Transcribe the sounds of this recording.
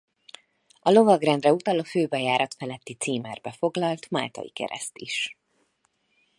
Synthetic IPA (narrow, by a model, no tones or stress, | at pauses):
ɒlo̞vɒɡrɛnd̪rɛut̪ɒloːføːbɛjaːɾɒt̪fɛlɛt̪ːit̪siːmɛrbɛfo̞ɡlɒlt̪ma̰ːlt̪ɒ̰jḭkɛ̰ɾɛ̰st̪iʃ